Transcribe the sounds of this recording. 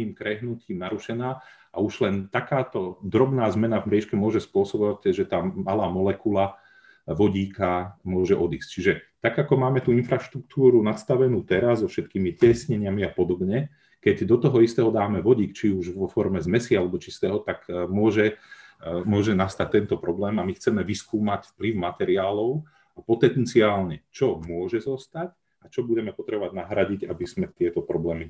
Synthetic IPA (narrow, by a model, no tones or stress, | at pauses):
iːmkɾɛɦnuciːmnaɾuʃɛnaːʔa̰uʒlɛnt̪akaːt̪ɔd̪ɾɔbnaːzmɛnavmɾjɛʃkɛmʊɔʒɛspʊɔsɔbɔʋacʒɛt̪aːmalaːmɔlɛkula | ʋɔɟiːkamʊɔʒɛʔɔd̪iːsct͡ʃiʒɛt̪aɡakɔmaːmɛt̪uinfɾaʃt̪ɾuk̚t̪uːɾunast̪aʋɛnuːt̪ɛɾazzɔfʃɛt̪kiːmicɪɛsɲɛɲɪamiapɔd̪ɔbɲɛ | kɛɟd̪ɔt̪ɔɦɔist̪ɛːɦɔd̪aːmɛʋɔɟiːkt͡ʃiuʒʋɔfɔɾmɛzmɛsialɛbɔt͡ʃist̪ɛːɦɔt̪akmʊɔʒɛ | mʊɔʒɛnast̪ac̚t̪ːɛnt̪ɔpɾɔblɛːmamixt͡sɛmɛʋiskuːmacfpliʊmat̪ɛɾiaːlɔʊ | apɔt̪ɛnt͡siaːlɲɛt͡ʃɔmʊɔʒɛzɔst̪ac | at͡ʃɔbuɟɛmɛpɔt̪ɾɛbɔʋaɟ̚ʲnaɦɾaɟicabiz̥mɛt̪ɪɛt̪ɔpɾɔblɛːmi